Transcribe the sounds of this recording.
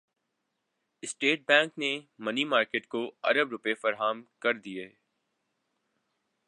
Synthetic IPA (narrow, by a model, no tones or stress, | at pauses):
ɪsʈeːʈ̚bɛ̃ːŋknemɐnimaːɾkeːʈkoɐ̰ɾəbɾʊpefɐɾɦaːmkɐɾd̪ieː